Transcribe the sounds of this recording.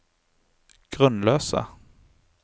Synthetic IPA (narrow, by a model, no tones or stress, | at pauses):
ɡ̥ʁœnløːsa̰